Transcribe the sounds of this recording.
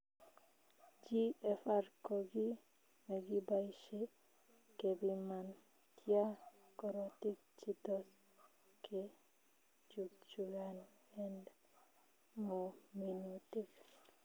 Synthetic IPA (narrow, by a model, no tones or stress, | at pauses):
d͡ʒiefaɾkɔɡi | meɡibajʃe | kebiman | t̪ia | kɔɾɔt̪ik̚ | t͡ʃit̪ɔs | ke | d͡ʒukt͡ʃujan | ɛnd | mominot̪ik